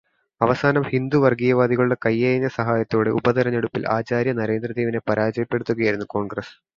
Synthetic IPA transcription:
ɐʋɐsaːnɐmhind̪uʋɐrɡijɐʋaːd̪iɣɐɭuɭːɐkɐjːejɐɲːɐsɐɦaːjɐt̪ːo̞ːɽe̞ubɐd̪ɐɾɐne̞ɽupːila̰ːt͡ɕaːɾjɐnɐɾe̞ːnd̪rɐd̪eːʋine̞pɐɾaːd͡ʑɐjɐpːe̞ɽut̪ːuɣɐjajɾunːuko̞ːɳɡrɐs

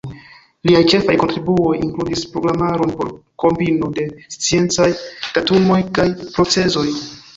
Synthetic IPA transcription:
liajt͡ʃe̞fajko̞ntɾibuo̞jḭŋkludispɾo̞ɡɾamaɾo̞npo̞̰ɾko̞mbinode̞st͡sie̞nt͡sajd̥atumo̞jkajpɾo̞t͡se̞zo̞j

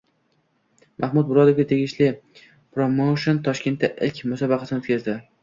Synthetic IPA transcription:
mʔahmʊd̪̚bʊɾɒd̪ofɡʲat̪ʰe̞ɡʲɪʃlɪ | pɾomowʃont̪ʰɒʃkʲe̞nt̪ʰːaʔɪlkʲmʊsɒbɑqʰɑsɪnot̪kʲʰazd̪ɪ

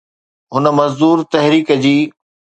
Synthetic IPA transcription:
ɦʊnə̆mɐzd̪uːɾt̪ɐɦɾiːkəd͡ʑiː

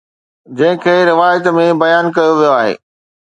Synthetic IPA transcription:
d͡ʑɐ̃ɦɪ̃kʰeːɾɪʋaːjət̪mẽbɐjaːnkɐjoʋijoaːɦḛː

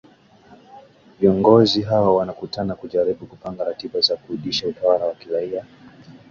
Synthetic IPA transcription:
viɔŋɡɔziɦawawanakutanakuʄaɾiɓukupaŋɡaɾatiɓazakuhuɗiʃautawaɾawakiɾaia

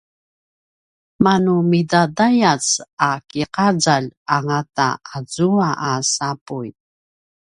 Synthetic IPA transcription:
manumidadajat͡sakiqad͡zaʎaŋata̰azuaʔasapuj

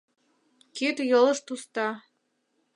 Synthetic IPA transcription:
ket̪jolə̆ʃt̪ust̪ɑ

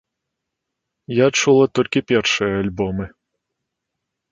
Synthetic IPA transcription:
jat͡ʂulˠɐt̪ɔlʲkʲipʲɛrʂɨjɐalʲbɔmɨ

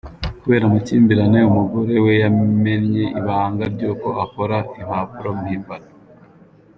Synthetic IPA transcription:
kuβe̞ːɾamaciːmbiɾane̞umuɡoɾe̞we̞jame̞nɲe̞ʔiβaaːŋɡaɾɟuːko̞akoɾaimapuɾomhiːmbano

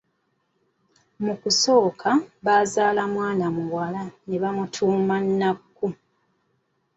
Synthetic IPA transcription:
mukuso̞ːkʰaβaːzaːlamwaːnamuwalaneβamutʰuːmanːakːu

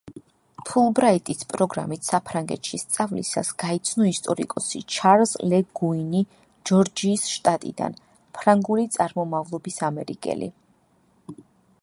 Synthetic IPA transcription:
pʰulˠbɾait̪ʼispʼɾɔɡɾa̰mit̪ʰsapʰɾaŋɡɛ̰t̪ʃist̪sʼavlḭsa̰sɡ̥ait̪sʰnɔist̪ʼɔɾḭkʼɔsḭt͡ʃʰaɾzlɛɡuini | d͡ʒɔɾd͡ʒiːsʃt̪ʼat̪ʼḭd̪a̰n | pʰɾaŋɡulit̪sʼaɾmɔmavlˠɔbisamɛɾikʼɛ̰lḭ

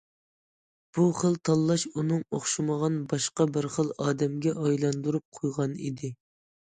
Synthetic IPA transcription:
b̥uχəlˠt̪ʰɑlˠːɑʃunɨŋoχʃɨməʁɑnbɑʃqɑbəɾχəlˠɑːd̪ɛmɡʲɛʔɑjlˠɑnd̪uɾup̚qʰojʁɑnḭd̪ɪ

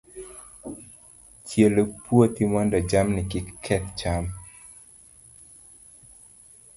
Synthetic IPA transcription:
t͡ʃjelopuot̪imwɔndɔd͡ʒamnɪkɪkkʰːɛt̪t͡ʃam

